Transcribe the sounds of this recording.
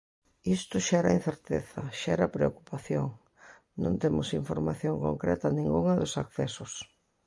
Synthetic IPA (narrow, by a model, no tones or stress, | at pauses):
ist̪ʊʃɛɛɾɐin̟θeɾt̪ḛθɐʃɛɛɾɐpɾeoku̥paθjoŋ | nõ̰nt̪emʊsiɱfoɾmaθjoŋko̰ŋkɾɛt̪ɐnĩŋɡuŋɐðʊsakθɛsʊs